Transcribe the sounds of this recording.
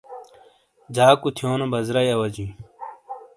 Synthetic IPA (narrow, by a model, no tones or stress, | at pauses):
d͡ʑaːkut̪ʰjoːnobɐzɾɐjɐwɐd͡ʑĩ